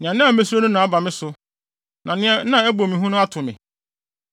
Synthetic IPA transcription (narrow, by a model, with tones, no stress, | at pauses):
nɪ̃˨ã˨nɪ̃˦˨˦me˦s̬u˦o˦nʊ̃˦nã˨a˦ba˨mɪ̃˦sʊ˨ | nʔã˨nɪ̃˦ɛ̃˨˦nã˦ɛ˦bo˨mĩ˨ɦũ˦nʊ̃˦a˦tʰʊ˨mɪ̰̃˨